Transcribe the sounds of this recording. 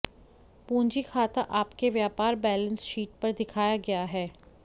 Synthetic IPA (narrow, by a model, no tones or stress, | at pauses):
pũːɲd͡ʒikʰaːt̪aʔaːpkeʋjaːpaːɾbɛːlə̃nsʃiːʈ̚pɐɾd̪ɪkʰaːjaɡɐjaɦɛː